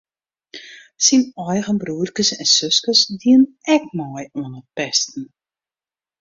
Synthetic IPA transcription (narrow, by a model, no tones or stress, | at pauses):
sinɔjɣənbruːərkəsɛnsøskəsdiən | ɛk̚mɔjuənət̚pɛstn̩